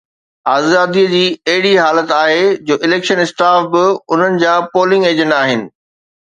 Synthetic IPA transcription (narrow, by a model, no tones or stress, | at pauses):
aːzaːd̪iəd͡ʑiːɐɦɪɽiɦaːlət̪aːɦed͡ʑoːʔɪleːkʃənɪsʈaːfbɪʊn̤ənɪ̆d͡ʑaːpoːlɪ̃ŋɡeːd͡ʑə̃ɳɖaːɦɪnɪ̆